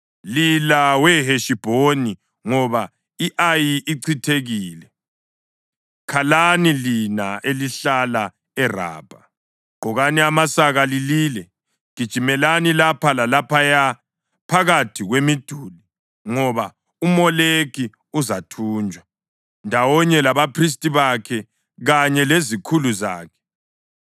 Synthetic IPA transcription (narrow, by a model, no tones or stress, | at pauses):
lilawɛɦeʃib̥ʱoni | ŋɔβa | iʔajiʔiǀʰitʰeɣiːlɛ | kʰalanilinaʔeliɬala | ɛra̰ːb̥ʱa | ɡ͡ǃ̥ʱɔɣaniamasaɣalililɛ | ɣ̥id̥ʒ̥ʱimɛlanilapʰalalapʰaja | pʰaɣatʰiɣwemid̥ʱuli | ŋɔβa | umɔlekʰi | uzatʰuːnd͡ʒʱwa | ndʱawɔɲɛlaβapʰris̬tʼiβakʰɛ | ɣaɲɛlezikʰuluza̰ːkʰɛ̥